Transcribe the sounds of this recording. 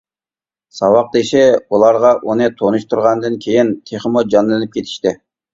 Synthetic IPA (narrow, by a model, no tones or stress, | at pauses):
sɑwɑq̚d̪eʃɪulˠɑɾʁɑʔunɨt̪ʰonuʃt̪ʰuɾʁɑnd̪ɨnkʲʰejint̪ʰeχəmud͡ʒɑnlˠɨnɨp̚kʲʰet̪ʰi̥ʃt̪ɪ